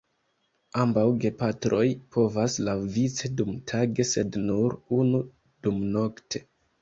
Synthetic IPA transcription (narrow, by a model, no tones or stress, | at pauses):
ambawɡe̞patɾʔo̞jpʰo̞vaslawvit͡sedumtʰaɡe̞se̞dnuɾunu | d̥umno̞ktʰe̞̥